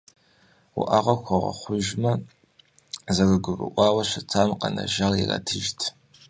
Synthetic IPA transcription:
ṵʔaʁakʷʰaʁa̰χʷʊʒma | zarɨɡʷɨrɨ̰ʔʷawaʃʷat͡sʰamqʼana̰ʒalira̰tʰɨʒtʰ

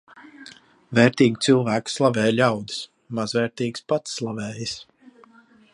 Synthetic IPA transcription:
vɛːɾt̪iːɡit̪sɨlˠvæːkslˠavɛːjlʲawd̪i̥s | mazvɛːɾt̪iːkspat̪sːlˠavɛːjis

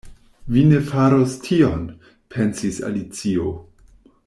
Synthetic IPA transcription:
vine̞faɾostʰion | pʰensisa̰lit͡sio

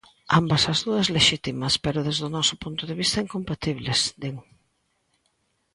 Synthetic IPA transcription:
ambɐsɐzðuɐsleʃit̪imɐspeɾʊðezðʊnɔsʊpunt̪ʊðeβist̪ɐiŋkompat̪iβlesd̪eŋ

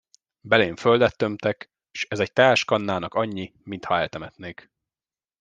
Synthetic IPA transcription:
bɛleːɱføld̪ɛt̪ːømt̪ɛk | ʃɛzɛc̚t̪aːʃkɒnːaːnɒkɒɲːi | mint̪hɒɛlt̪ɛmɛt̪neːk

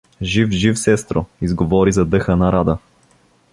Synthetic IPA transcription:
ʒifʒifsɛst̪ɾoizɡovɔɾizɐd̪ɤxənɐɾad̪ə

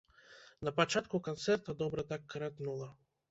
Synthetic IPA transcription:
napat͡ʃat̪kukɔnt̪sɛɾt̪ad̪ɔbɾat̪akːɾɛt̪nulˠa

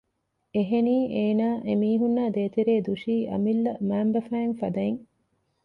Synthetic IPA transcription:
eɦeniːʔeːnaːʔemiːɦunːaːd̪eːt̪iɾeːd̪uʃiːʔɐ̰milːɐmæːmbɐfæːŋfɐd̪ɐeŋ

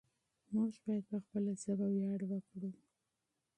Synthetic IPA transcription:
maʒbɑjad̪̚pəxpəlazəbawjɑɽwəkɽu

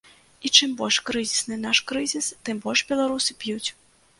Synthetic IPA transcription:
it͡ʂɨmbɔlʲʂkɾɨzʲisnɨnaʂkɾɨzʲist̪ɨmbɔlʲʂbʲɛlˠaɾusɨpʲjut͡sʲ

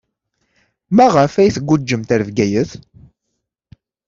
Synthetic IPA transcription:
mæʁəfæjθɡʷːud͡ʒːəmt̪əɾvɡæjəθ

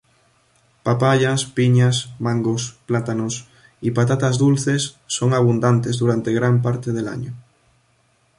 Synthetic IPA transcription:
papaʎaspiɲasmaŋɡosplat̪anos | ipat̪at̪azðulθe̞sːo̞ŋaβund̪ant̪e̞zðuɾant̪eɣɾamp̬aɾt̪eðela̰ɲo

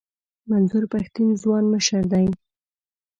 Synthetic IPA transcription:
manzʊɾpaxt̪inzwɑnməʃəɾd̪aj

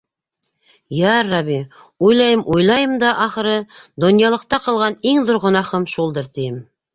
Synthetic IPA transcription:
jæɾːɑβi | ujlˠɑjɤmʔujlˠɑjɤmd̪ɑʔɑχɤ̆ɾɤd̪ŏnjɑlˠɤ̆q̚t̪ɑqɤ̆lˠʁɑniŋðoɾʁŏnɑχɤmʃulˠd̪ɤɾt̪ijɘm

